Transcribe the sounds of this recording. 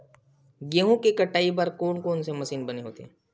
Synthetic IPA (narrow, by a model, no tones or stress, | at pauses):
ɡeːɦõkekɐʈːaːibaːɾkoːnkoːnsemɐsiːnbɐneɦo̰ːt̪eɦɛ̃ː